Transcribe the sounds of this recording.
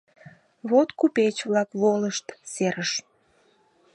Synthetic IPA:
βot̪kupet͡ɕβlɑkβoləʃt̪seɾəʃ

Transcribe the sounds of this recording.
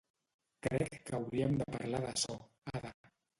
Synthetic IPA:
kɾɛkːəwɾiəmd̪əpaɾlaðəsɔ | aða

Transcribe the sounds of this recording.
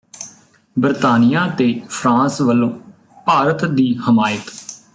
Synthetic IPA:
bəɾt̪aːnijaːt̪eːpʰɾãːsʋəlːõː | paːɾət̪d̪iːhəmaːjət̪

